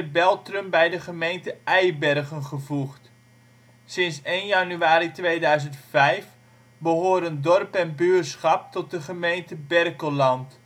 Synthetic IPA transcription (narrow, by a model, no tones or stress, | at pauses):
əbɛlˠtrəmbɛjdəχəmejntəɛjbɛrχənχəvuχt | sɪnsejnjɑnyaːɾitʋejdœɥzəntfɛjf | bəɦoːɾəndɔrpɛnbyəsχɑp̚tɔt̚dəχəmejntəbɛrkəlɑnt